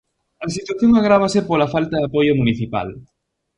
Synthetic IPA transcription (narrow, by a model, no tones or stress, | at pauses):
ɐs̬it̪waθjoŋaɣɾaβ̞ɐsɪpolɐfalt̪ɐðapojʊmuniθipa̰l